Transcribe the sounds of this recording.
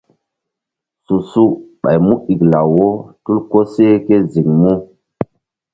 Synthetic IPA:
su˨su˦ɓa̰˨jmu˦ʔi˨kla˨wo˦tu˦lko˦se˦ke˦zi˨ŋmu˦

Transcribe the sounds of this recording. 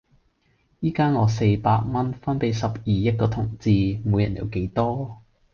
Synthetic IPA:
jiː˥kaː˥nŋɔː˨˧se˧jpaː˧t̚mɐ˥nfɐ˥npe˨˥jsɐ˨p̚jiː˨jɐ˥t̚kɔː˧t̪ʰʊ˨˩ŋt͡siː˨˧moː˨˧jɐ˨˩njʔḭ˨˧˩wke˨˥jt̪ɔː˥

